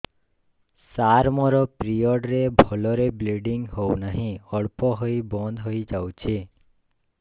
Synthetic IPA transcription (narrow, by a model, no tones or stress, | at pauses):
saɾmɔɾɔpɾijɔɖɾebʱɔlɔɾebleɖiŋɡɦounaɦĩɔɭpɔɦoibɔnd̪ʱɦoid͡ʒawt͡ʃʰe